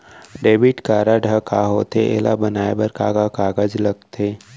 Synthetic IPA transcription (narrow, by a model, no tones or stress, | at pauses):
ɖeːbɪʈkaːɾaɖʱəkaɦoːt̪eʔḛːla̰bɐnaːebɐɾkaɡakaːɡəd͡ʒlɐɡt̪ʰeː